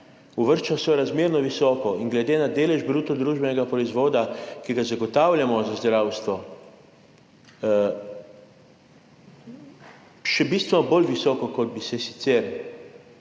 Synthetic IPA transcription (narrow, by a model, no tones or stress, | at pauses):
uʋəɾʃt͡ʃasɔjɾazmeːɾnɔʋisɔːkɔiŋɡlɛd̪eːnad̪eːlɛʒbɾuːt̪ɔd̪ɾuːʒbɛnɛɡapɾɔizʋoːd̪akiɡazaɡɔt̪awlʲjamɔzazd̪ɾawst̪ʋɔ | ʃɛbist̪ʋɛnɔbolʋisɔːkɔkɔd̪̚bisɛsi̥t̪sɛɾ